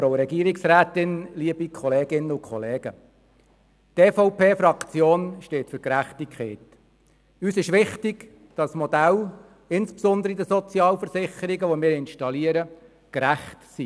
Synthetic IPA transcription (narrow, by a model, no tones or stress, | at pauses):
fɾoʊɾɛɡiːəɾɪksɾæːt̪ɪnliːəbikʰχɔleːɡɪnəʊkχɔleːɡ̥ə | tɛːfɔʊpʰeːfɾɑkt͡sjoːnʃteːtfʏɾkɾæχtikχɛɪt | yːsɪʃʋɪχtɪɡ | d̥ɑsmɔdæl | ɪnspsɔnd̪əɾid̪əsɔt͡sjɑːlfəɾsɪχəɾiɡəʋɔmɪːɾɪnʃtɑliəɾə | kɾæχtsi